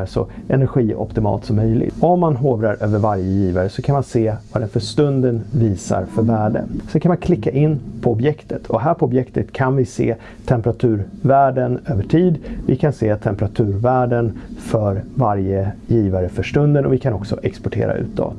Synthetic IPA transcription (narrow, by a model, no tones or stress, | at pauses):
ʂɔ̰ʔɛnæɾɧiːʔɔ̰pt̪ɪmɑ̰ːlt̪sɔmːœjlɪ̰ɡɔmːanɦoːvɾaɾʔøːvəɾvaɾjəjiːvaɾəsɔkʰanmanseːvɑd̪ɛnfœʂt̪ɵnd̪ənviːsa̰ɾfœɾvæːɖə̰sɛnkʰanmankʰlɪkːaʔɪnːpʰɔɔbjɛkt̪ʰət̪ʰɔɦæːɾpʰɔɔbjɛkt̪ət̪kʰanvɪsḛː | t̪ʰɛmpɾat̪ʰʉ̟ːɾvæːɖənøːvəʈʰiːd̪vɪkʰanseːt̪ʰɛmpɾat̪ʰʉ̟ːɾvæːɖənfœɾvaɾjəjiːvaɾəfœʂʈɵnd̪ənɔvɪkʰanɔksɔ̰ʔɛkspɔʈʰḛːɾa̰ʉ̟̰ːt̪̚d̪ɔ̰ː